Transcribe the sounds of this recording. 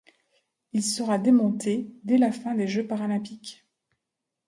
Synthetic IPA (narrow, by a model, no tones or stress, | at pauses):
ilsəʁad̪emɔ̃t̪ed̪ɛlafɛ̃d̪eʒøpaʁalɛ̃pik